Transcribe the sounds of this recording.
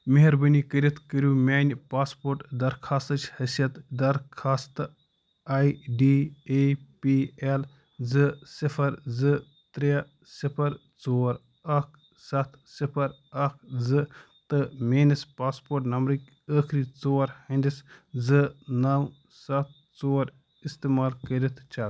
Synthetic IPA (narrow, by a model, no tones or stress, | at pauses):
meɦɐɾbənikəɾʲit̪kəɾʲjuːmʲaːnʲpaːspoːɾʈd̪ɐɾkʰaːst̪ɐt͡ʃʰhɐsijɐt̪d̪ɐɾkʰaːst̪ɨ | aːjɖiːepiel | zɨsifʰɐɾzɨ | t̪ɾe | sipʰɐɾ | t͡soːɾ | ɐkʰ | sɐt̪ʰsipʰɐɾ | ɐkʰzɨ | t̪ɨmeːnispaːspoːɾʈnɐmbɾɨkʲ | əːkʰɾiːt͡soːɾhɐ̃nd̪iszɨnɐw | sɐt̪̚ʰ | t͡soːɾ | ist̪eːmaːlkɐɾit̪ʰt͡ʃaː